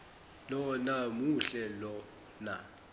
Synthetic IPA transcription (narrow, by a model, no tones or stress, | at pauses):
lɔnamuɬɛlɔ | na̰